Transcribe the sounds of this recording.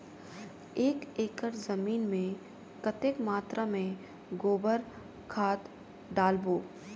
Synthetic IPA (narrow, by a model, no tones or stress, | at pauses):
eːkeːkəɾzɐmiːnmẽ | kət̪eːkmaːt̪ɾʔamẽ | ɡoːbəɾ | kʰaːt̪ | ɖaːlboː